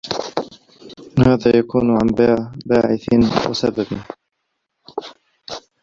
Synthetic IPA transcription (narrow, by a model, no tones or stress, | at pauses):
haːðaːjakuːnʕanbbaːʕɪθɪnwa̰sabab